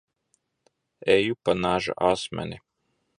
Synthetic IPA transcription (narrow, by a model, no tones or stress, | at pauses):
ɛːjupanaːʒa̰ʔaːsmʲɛ̰nʲi